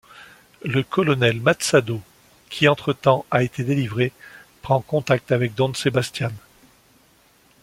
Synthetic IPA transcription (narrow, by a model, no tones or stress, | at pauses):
ləkɔlɔnɛlmat̪sad̪o | kʲʰiɑ̃t̪χət̪ɑ̃aet̪ed̪elivʁepχɑ̃kɔ̃t̪ak̚t̪avɛk̚d̪ɔ̃sebast̪jan